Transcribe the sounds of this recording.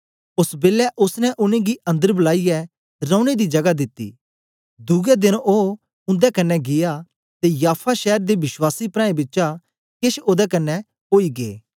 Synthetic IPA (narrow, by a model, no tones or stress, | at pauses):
ʊsbeːlɛʔʊsnɛ̃ʔʊnẽɡiɐ̃nd̪əɾblaːijɛ | ɾə̃ːʊ̃ñed̪id͡ʒɐɡad̪ɪt̪ːḭː | d̪ʊɡɛd̪ɪnoː | ʊ̃nd̪ɛkɐnːɛɡɪja | t̪ejaːpʰaʃɛːɾd̪ebɪʃwaːsipɾãːẽbɪtːt͡ʃa | kɪʃoːd̪ɛkɐnːɛ | ɦoːiɡḛː